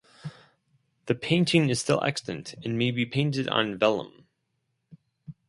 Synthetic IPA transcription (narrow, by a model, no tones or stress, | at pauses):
ðɨpʰẽɪ̃ntɪ̃ŋɨz̥stɪlˠʔɛ̰kstɨ̃ntɨ̃nmeɪbipʰẽɪ̃ntɨɾn̩vɛlˠə̰̃m